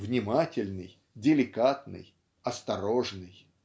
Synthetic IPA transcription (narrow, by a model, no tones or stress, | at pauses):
vnʲɪmatʲɪlʲnɨj | dʲɪlʲɪkat̪nɨ̰j | ɐst̪ɐɾoʐnɨj